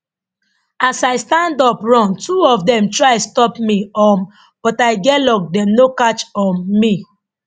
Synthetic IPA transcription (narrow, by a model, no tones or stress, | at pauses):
asaɪstãndɔpɹɔ̃ntuɔfdɛ̃mtɹaɪstɔpmiɔ | b̥ɔtaɪɡɛlɔk̚dɛ̃mnokat͡ʃɔnmi